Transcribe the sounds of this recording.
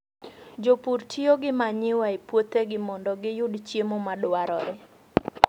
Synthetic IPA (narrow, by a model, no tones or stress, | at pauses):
d͡ʒopuɾtʰioɡɪmaɲɪwaepwot̪eɡɪmɔndɔɡɪjʊdt͡ʃjemomadwaɾɔɾɪ